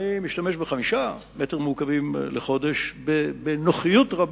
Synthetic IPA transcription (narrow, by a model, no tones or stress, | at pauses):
imiʃtame̞ʃbeχamiʃa | meteʁmukavimleχo̞deʃbebenoχijutʁab